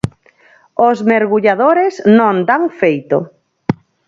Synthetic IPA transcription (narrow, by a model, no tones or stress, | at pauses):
ozmeɾɣuʎaðoɾesnõnd̪aŋfejt̪o̰